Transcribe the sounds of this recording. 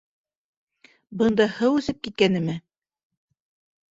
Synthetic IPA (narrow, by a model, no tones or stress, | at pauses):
bɤ̆nd̪ɑhɤwʉ̆sɘp̚kit̪̚kænɘ̆mɘ